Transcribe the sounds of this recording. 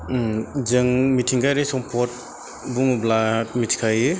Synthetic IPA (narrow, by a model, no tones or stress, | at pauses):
d͡ʒɯŋmitʰiŋɡajɾesɔmpʰɔt̚ | bumublat̚mitʰi̥kʰajɯ